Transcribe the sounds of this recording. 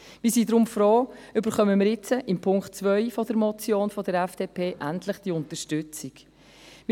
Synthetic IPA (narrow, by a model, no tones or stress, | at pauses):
viːsiːdɾʊmfrɔːʏbəɾχœməmɪɾjɪt͡səʔɪmpʰʊŋktt͡svœʏfɔdəɾmɔt͡sjoːnfɔdəɾɛfd̥eːpʰeːʔæntləχd̥iʊntəɾʃtʏt͡sik | mɪ